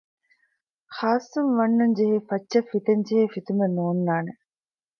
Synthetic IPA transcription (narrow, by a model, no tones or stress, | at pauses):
xaːsːunʋɐnːuɲd͡ʒeɦeːfɐt͡ʃːʃɐfit̪eɲd͡ʒeɦeːfit̪umenuːnːaːne